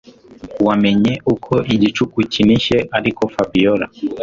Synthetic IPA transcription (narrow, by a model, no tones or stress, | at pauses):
kuamɛɲɛukʰɔʔiʄit͡ʃukut͡ʃiniʃɛʔalikɔfabiɔɾa̰